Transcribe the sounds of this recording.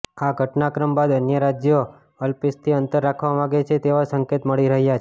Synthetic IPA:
aɡʱəʈnakɾəmbad̪ənjəɾad͡ʒjo | əlpist̪ʰiənt̪əɾːakʰʋamãɡet͡ʃʰet̪eʋasəŋket̪məɭiɾəɦjat͡ʃʰ

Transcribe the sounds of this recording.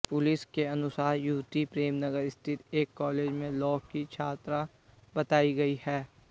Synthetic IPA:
pʊlɪskeɐnʊsaːɾjuːt̪ipɾeːmnɐɡəɾɪst̪ʰɪt̪eːkːɔːleːd͡ʒmẽlɔːkkit͡ʃʰaːt̪ɾa | bɐt̪aːiɡɐihɛː

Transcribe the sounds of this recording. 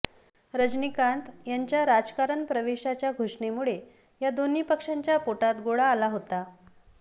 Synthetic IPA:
ɾəd͡znikãnt̪jaɲt͡ɕjaɾad͡zkaɾəɳpɾəʋeɕat͡ɕjaɡʱoʂɳemuɭe | jad̪oniːpəkʂaɲt͡ɕjapoʈat̪ɡoɭaːlaɦot̪a

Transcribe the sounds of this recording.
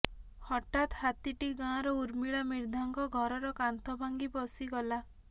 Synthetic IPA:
hɔʈat̪hat̪iʈiɡãɾɔuɾmiɭamiɾd̪ʱaŋkɔɡʱɔɾɔɾɔkant̪ɔbʱaŋɡipɔsiɡɔla

